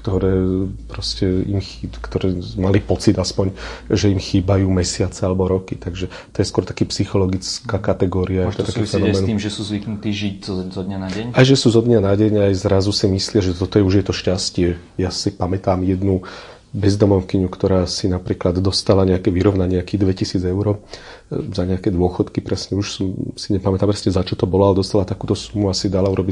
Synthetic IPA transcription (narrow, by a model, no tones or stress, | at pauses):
kt̪ɔɾɛːpɾɔscɛimxkt̪ɔɾɛːmalipɔt͡sid̪aspɔɲʒɛimxiːbajuːmɛsɪat͡sɛalɛbɔɾɔkit̪aɡʒɛ | t̪ɔjɛskwɔɾt̪ḁkiːpsixɔlɔɡit͡skaːkat̪ɛɡɔːɾiajɛɔt̪akɛfɛnɔmɛɛniːmʒɛsuːzʋiknut̪iːʒiczɔzɔd̪ɲanaɟɛɲajʒɛsuːzɔd̪ɲanaɟɛɲajzɾazusimislɪaʒɛt̪ɔt̪ɔjɛuʒjɛt̪ɔʃcascɪɛ | jasipamɛt̪aːmjɛd̪nu | bɛzd̪ɔmɔʊkiɲukt̪ɔɾaːsinapɾiːklad̪d̪ɔst̪alaɲɛakɛʋiɾɔʋnaɲɪɛakiːd̪ʋɛcisiːd͡zɛʊɾɔ | zaɲɛakɛːd̪ʊɔxɔt̪kipɾɛsɲɛuʃsusiɲɛpamɛt̪aːmpɾɛsɲɛzat͡ʃɔt̪ɔbɔlɔalɛd̪ɔst̪alat̪akuːt̪ɔsumuasid̪alauɾɔbi